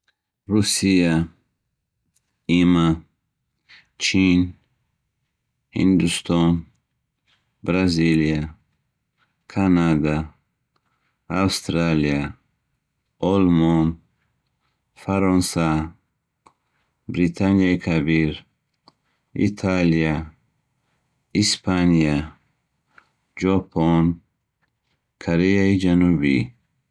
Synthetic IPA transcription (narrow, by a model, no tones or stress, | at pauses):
ɾusija | ima | t͡ʃʰin | hḭnd̪ust̪ʰɔn | bɾazilia | kʰanad̪a | awst̪ɾalia | ɔlmɔn | faɾɔnsa | bɾit̪ʰanijaikʰabiɾ | ḭt̪ʰalia | ispʰanija | d͡ʒɔpʰon | kʰoɾejaid͡ʒanubḭ